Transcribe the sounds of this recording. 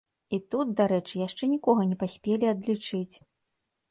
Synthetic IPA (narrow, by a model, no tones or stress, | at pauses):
it̪ut̪̚d̪aɾɛt͡ʂɨjaʂt͡ʂɛnʲikɔɣɐnʲɛpasʲpʲelʲiɐd̪lʲit͡ʂɨt͡sʲ